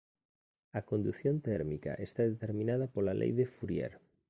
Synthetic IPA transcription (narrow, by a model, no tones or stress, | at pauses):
ɐkond̪uθjont̪ɛɾmikɐ̰ʔest̪aðet̪eɾmĩnaðɐpolalʔḛjðefuɾjɛ̰ɾ